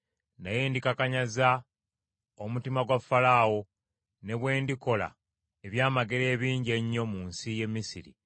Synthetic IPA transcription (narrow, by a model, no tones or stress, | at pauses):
najendikakaɲaza | omutimaɡwafːalaːwo̞ | ne̞βwe̞ːndiko̞la̰ | eβjaːmaɡeɾe̞ːβiːɲɟe̞ɲːo̞munsije̞mːisiɾḭ